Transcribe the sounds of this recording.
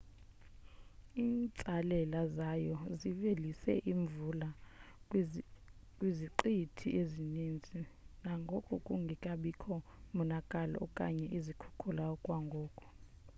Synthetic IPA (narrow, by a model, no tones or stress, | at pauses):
iːnt͡sʼalɛlazajɔzivelisɛ̰ʔiɱvula | kʼwiziǃitʰiʔezinind͡zʱinaŋɡʱokʼɔkʼuŋɡʱikʼaɓikʰɔmunakʼalɔ̰ʔɔ̰kʼa̰ɲɛʔizikʰu̥kʰulaɔkʼwaŋɡʱɔːkʼɔ̥